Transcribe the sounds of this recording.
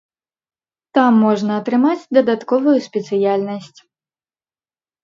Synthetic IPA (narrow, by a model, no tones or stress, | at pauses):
t̪amːɔʐnɐːt̪ɾɨmat͡sʲd̪ɐd̪at̪kɔvujusʲpʲɛt̪sɨjalʲnɐsʲt͡sʲ